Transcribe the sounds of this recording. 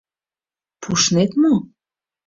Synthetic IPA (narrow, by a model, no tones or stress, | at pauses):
pʰuʃnet̪mo